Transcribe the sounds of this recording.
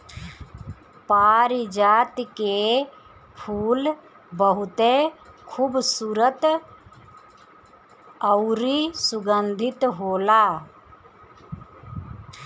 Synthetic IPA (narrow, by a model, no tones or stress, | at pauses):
paːɾid͡ʒaːt̪ke | pʰuːl | bəɦʊt̪ekʰuːbsuːɾət̪ | əʊɾisʊɡənd̪ʱɪt̪ɦoːlaː